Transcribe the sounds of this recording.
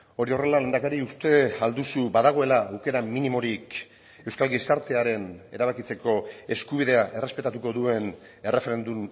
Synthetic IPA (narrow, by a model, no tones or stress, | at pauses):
o̞ɾio̞re̞lale̞nd̪akaɾiust̪e̞ald̪usubaðaɣ̞o̞e̞laawke̞ɾaminimo̞ɾik | e̞wskalɡisaɾt̪e̞aɾe̞ne̞̰ɾaβ̞akit͡se̞ko̞e̞skuβ̞iðe̞aʔe̞re̞spe̞t̪at̪uko̞ðue̞n | e̞re̞fe̞ɾe̞nd̪um